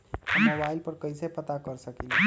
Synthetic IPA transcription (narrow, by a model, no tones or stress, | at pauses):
əmobailpəɾkəjsəpət̪akəɾsəkil